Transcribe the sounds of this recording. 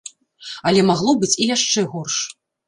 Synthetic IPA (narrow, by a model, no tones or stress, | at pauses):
ɐlʲɛmaɣlˠɔbɨt͡sʲijaʂt͡ʂɛɣɔrʂ